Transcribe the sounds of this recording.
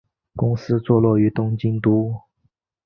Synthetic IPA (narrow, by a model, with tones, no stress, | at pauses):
kʊ˥ŋsɹ̩˥t͡swɔ˥˧lwɔ˥˩y˧˥t̪ʊ˥ŋt͡ɕi˥nt̪u˥